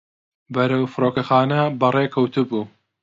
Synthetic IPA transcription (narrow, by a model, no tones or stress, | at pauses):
bɐɾɐwfɨɾoːkɐxaːnɐbɐreːkʰɐwt̪ubuː